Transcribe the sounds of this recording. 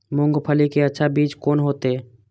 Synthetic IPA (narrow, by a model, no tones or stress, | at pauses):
mʊ̃ŋɡpʰəlikeɐtːʃʰabiːt͡ʃkoːnɦoːt̪e